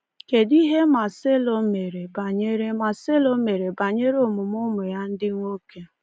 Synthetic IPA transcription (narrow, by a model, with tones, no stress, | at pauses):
ke˨di˦ɦe˦ma˨se˦lo˨me˨ɾe˨ba˨ɲe˦ɾe˦ma˨se˦lo˦me˨ɾe˨ba˨ɲe˦ɾo˨mʊ˨mʊ˦mʊ˨ja˦n̩˦dɪ˦ŋʷo˦ke˦